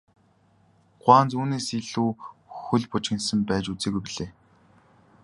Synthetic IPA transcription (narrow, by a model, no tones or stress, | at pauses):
ɢ̥waːnt͡suːneːsiɮuːxɵɮpʊt͡ɕxɪ̆nsə̆mpæːt͡ɕut͡seːɣujpiɮeː